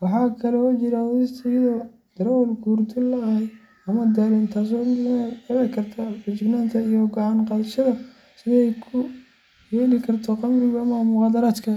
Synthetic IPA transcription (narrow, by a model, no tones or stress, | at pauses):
wɑħɑːkʰɐlɔt͡ʃɪɾɐwɔðɪst̪ʰɐjɪðɔ | d̪̥ɐɾɔlɡuːrt̪ʰɪlɐhɛ | ɐmɐd̪ɐɾɛnt̪ʰaːs̬ɔnɛɾɛkʰɐrt̪ʰɐbɪt͡ʃɪɡnaːnt̪ʰɐijɔɡɑʕɑnqɑðɐʃɐðɐ | sɪðɛjkʰʊ | jɛːlɪkʰɐrt̪ʰɔqɑmrɪɣɐɐmɐmʊʁɑːd̪ɐɾaːt̪kʰɐ